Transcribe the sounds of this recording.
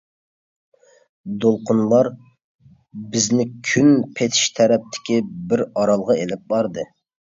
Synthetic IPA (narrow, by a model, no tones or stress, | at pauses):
d̪olˠqʰʊnlˠɑɾ | bɪznɪkʲʰynpʰet̪ʰɪ̥ʃt̪ʰɛɾɛp̚t̪ʰɪ̥kʲibɪɾɑɾɑlˠʁɑelɪp̚bɑɾd̪ɨ